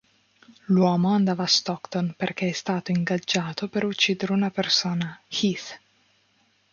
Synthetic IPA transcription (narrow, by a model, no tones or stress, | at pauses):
lwɔːmoand̪aːvaːst̪ɔkt̪onperk̟eɛst̪aːt̪oiŋɡad͡ʒːaːt̪opeɾut͡ʃːiːd̪eɾeunapersoːnaxit̪